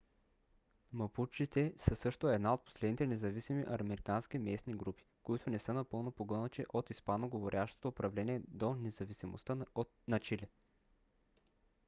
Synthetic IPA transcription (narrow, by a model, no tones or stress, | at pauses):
mɐput͡ʃit̪ɛsəsɤʃt̪oɛd̪naot̪̚po̥slɛd̪nit̪ɛnɛzɐvisimiʔɐɾmɛɾikansk̟imɛsniɡɾupi̥koit̪ʊnɛsɤnɐpɤlˠnopoɡɤnət͡ʃiʔot̪ispanoɡovoɾʲʔaʃt̪o̥t̪oːpɾɐvlɛniɛd̪onɛzɐvisimo̰st̪ə | nɐt͡ʃilɛ